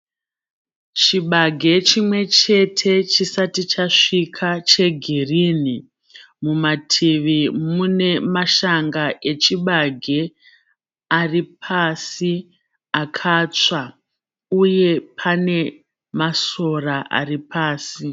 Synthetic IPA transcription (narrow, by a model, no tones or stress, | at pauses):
t͡ʃiɓaɡʱe̞t͡ʃimwe̞t͡ʃe̞tʰe̞t͡ʃisatit͡ʃaʂikʰat͡ʃe̞ɡʱirini | mumatʰiʋimune̞maʃaŋɡaʔe̞t͡ʃiɓaɡʱe̞ | aripʰasi | akʰat͡sa | uje̞pʰane̞ | maso̞raʔa̰ripaːsi